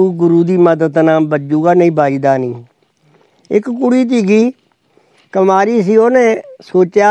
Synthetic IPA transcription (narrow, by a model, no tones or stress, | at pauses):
uːɡʊɾuːd̪iːməd̪əd̪naːmbəd͡ʒuːɡaːnəĩːbaːiːd̪aːniː | ɪ̰kːʊɽiːt̪̬iːɡiː | kəmaːɾiːs̬iːoːnẽːsoːt͡ʃjaː